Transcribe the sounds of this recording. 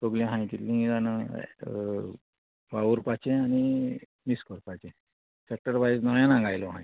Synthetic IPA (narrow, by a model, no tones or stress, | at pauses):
t̪oɡljãɦãj̃t̪it̪lĩidanə | ʋauɾpat͡ɕẽañi | miskɔɾpat͡ɕẽ | sɛk̚ʈəɾbaisnɔjãnãŋɡajloɦãj